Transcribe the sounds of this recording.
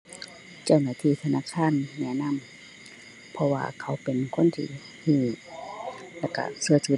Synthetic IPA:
t͡ɕa˧˨wnaː˧˩t̪ʰiː˧˥˨t̪ʰa˧naː˧˨kʰaː˧˥˨nːɛː˧˥˨na˧˥˨m | pʰɔ˧wa̰ː˧kʰa˧˥˦wpe˨nkʰo˧˥˨nt̪ʰḭː˧ | hʰiː˧˩ | lɛ˧˩ka̰˧˩sɯ˧ɐt͡ɕʰu˧

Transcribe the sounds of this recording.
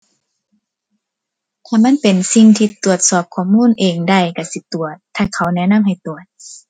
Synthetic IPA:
t̪ʰaː˧˩ma˧˥˨npe˨nsi˧ŋt̪ʰiː˧t̪u˨˩ət̪̚sɔː˨˩p̚kʰɔː˧˩mːuː˧˥˨nʔeː˨˩ŋda˧˩jka˧˩si˧˦t̪u˨˩ət̪ʰːaː˧˩kʰa˨˦wnɛ˧˨na˧˥˨mha˨˩jt̪u˨˩ət̪̚

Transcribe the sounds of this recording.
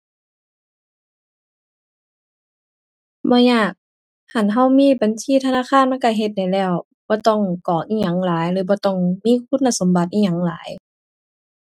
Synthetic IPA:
bɔː˧˦ɲaː˧˥˩k̚ | ha˧˩˨nɦa˧˩wmiː˧˥˨ba˨˦nsʰiː˧˨t̪ʰa˧naː˧˥˨kʰaː˧˥˨nma˧˥˨ka˧˩ɦe˧t̪̚da˨˩jlɛː˧˩w | b̥ɔː˧˦t̪ɔ˧˩˨ŋkɔː˨˩ʔiː˧˥˨ɲa˨˦ŋlaː˨˦jlɯː˨˦bɔː˧˦t̪ɔ˧˩ŋmiː˧˥˨kʰu˧˥˨nːa˧˨so˨˦mba˧t̪ʔiː˧˨ɲa˨˦ŋlaː˨˦j

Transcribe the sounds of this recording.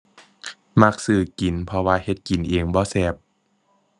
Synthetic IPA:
ma˧˩k̚sɯː˨˩ki˨˩npʰɔ˧waː˧he˧˦t̪̚ki˨˩˦nʔeː˨˧ŋbɔː˧˦sɛː˧˩p̚

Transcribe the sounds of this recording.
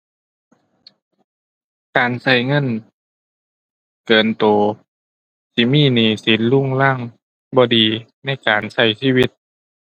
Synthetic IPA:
kaː˨nsa˧˩jŋɤ˧˥˨n | kɤː˨˩nt̪oː˨˩ | si˧˦miː˧˥˨niː˨˩si˨˦nlu˧˥˨ŋlaː˧˥˨ŋ | bɔː˧˦diː˨˩ | na˧˥˩jkaː˨˩nsa˧˩jsiː˧˥˨wi˧˥t̪̚

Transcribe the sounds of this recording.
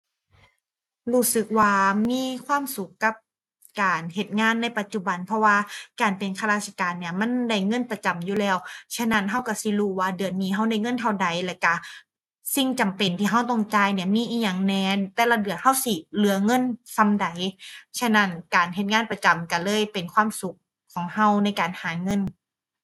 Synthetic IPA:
huː˧˩sɯ˧˦k̚waː˧miː˧˥˨kʰwaː˧˥˨msu˨˦kːa˧˦p̚ | kaː˨˩nhe˧˦t̪̚ŋaː˧˥˨nːa˧˥˨jpa˧t̪̚t͡ɕu˧˩ba˨npʰɔ˧waː˧kaː˨˩npe˨˩nkʰa˧laː˧˩sʰa˧kaː˨nːi˧˩ɐma˧˥˨nda˧˩jŋɤ˧˥˨npa˧t͡ɕa˨mjuː˧˦lɛː˧˩˨wt͡ɕʰa˧˥˨na˧˩nɦa˧˩wka˧˩si˧˦luː˧˩waː˧dɯ˨˩ənmiː˧˩ɦa˧˥˩wda˧˩jŋɤ˧˥˨nt̪ʰa˧˩wda˨˩jlɛː˧˩ka˧˩ | si˧˩ŋt͡ɕa˨˩mpe˨˩nt̪ʰiː˧˩ɦa˧˩wt̪ɔ˧˩ŋt͡ɕaː˧˨jni˧˩ɐmiː˧˥˨ʔiː˧˥ɲa˨˧˩ŋnɛː˧˩t̪ɛː˧˩la˧dɯ˨˩ən̚ha˧˥˩wsi˧˩lɯ˨˦ɐŋɤ˧˥˨nsa˧˥mda˨˩jsʰa˧˥na˧˥˩nkaː˨˩nɦe˧˦t̪̚ŋaː˧˥˨npa˧t͡ɕa˨˩mka˧˩lɤː˧˥˨jpe˨˩nkʰwaː˧˥˨msu˧˦k̚ʰː | ɔː˨˩˦ŋha˧˥˩wna˧˥˩jkaː˨˩nhaː˨˦ŋɤ˧˥˨n

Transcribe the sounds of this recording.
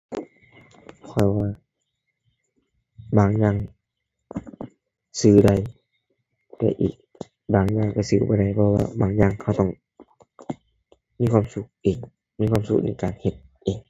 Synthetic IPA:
kʰɔ˧˩jwaː˧ | baː˨˩ŋɲaː˧˨ŋ | sɯː˧da˧˩j | t̪ɛ̰ː˧ʔḭː˨˩k̚ | baː˨˩ŋɲaː˧˩ŋka˧˩sɯː˧˩ba˧˩jda˧˩jpʰɔ˧wa̰ː˧baː˨˩˦ŋɲaː˧˩ŋkʰa˧˨wt̪ɔ˧˩ŋ | miː˧˥˨kʰwaː˧˨msu˧k̚ʔeː˨˩ŋ | mi˧˨kʰwaː˧˥˨msu˧k̚na̰˧˩jkaː˨nhe˧t̪̚ʔeː˨˩ŋ

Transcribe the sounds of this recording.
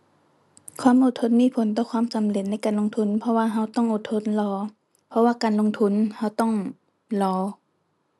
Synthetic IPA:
kʰwaː˧˥˨mʔoː˧˩t̪ʰːo˧˥˨n̚miː˧˥˨pʰo˨˦nt̪ɔː˧˨kʰwaː˧˥˨msa˨˦mle˨˩˨n̚ːa˧˥˨jkaː˨nlo˧˨ŋt̪ʰu˧˥˨npʰɔ˧waː˧ɦa˧˩wt̪ɔ˥˨ŋʔo˧˩t̪ʰo˧˥˨nlɔː˧˦ | pʰɔ˧waː˧kaː˨nlo˧˨ŋt̪ʰu˧˥˨nha˧˩wt̪ɔ˥˩˨ŋ | lɔː˧˦

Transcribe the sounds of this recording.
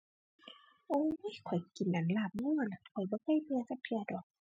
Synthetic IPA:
ʔoː˧˨˧jkʰɔ˨˩jki˨˩nʔa˨˩nlaː˧˩˨p̚ŋuː˧˥˨la˧˩kʰɔ˨˩jbɔː˧˦kʰa˧˥˨jpʰɯ˧ɐ˧sa˧˥p̚p̪ʰi˧˩ɐ˧dɔː˨˩k̚

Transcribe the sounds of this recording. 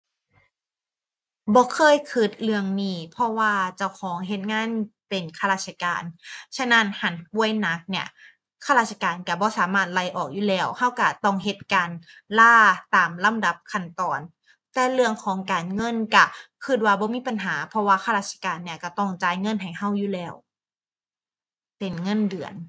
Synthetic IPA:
bɔː˧˦kʰɤː˧˥˨jkʰɯ˧˩t̪̚lɯ˧əŋniː˧˩pʰɔ˧˥waː˧t͡ɕa˧˩˨wkʰɔː˩˦ŋɦe˧˦t̪̚ŋaː˧˥˨npe˨˩nkʰa˧laː˧˩t̪̚sʰa˧ka̰ː˨nt͡ɕʰa˧˥˨na˧˥˩nha˨˩npu˧˥˩əjna˧˥k̚ni˧˩ə | kʰaː˧ɾaː˧˩sa˧kaː˨nka˧˩bɔː˧˦saː˩˦maː˧˥˩t̪̚la˧˩jʔɔː˨˩k̚juː˧˩lɛː˧˩wha˧˥˩wka˧˩t̪ɔ˧˩ŋɦe˧˦t̪̚kaː˨˩n | laː˧˥˩t̪aː˨˩mla˧˥˨mda˨˧˦p̚kʰa˧˩nt̪ɔː˨˩n | t̪ɛː˧˩lɯ˧əŋkʰɔː˨˦ŋkaː˨˩nŋɤ˧˥˨nka˧˩kʰɯ˧˩t̪̚waː˧bɔː˧˦miː˧˥˨pa˨˩nɦaː˩˦pʰɔ˧waː˧xʰa˧ɾaː˧t̪̚sʰa˧kaː˨nːi˧˥ɐka˧˩t̪ɔ˧˩ŋt͡ɕaː˧˦jŋɤ˧˥˨nɦa˨˩jha˧˥˩wjuː˧lɛː˧˩w | pe˨˩nŋɤ˧˥˨ndɯ˨˩ən

